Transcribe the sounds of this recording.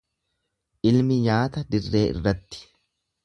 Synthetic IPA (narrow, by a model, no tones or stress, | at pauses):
ʔɪlmɪɲaːt̪ɐd̪ɪrːe̞̰ːʔɪ̰rːɐt̪ːɪ̥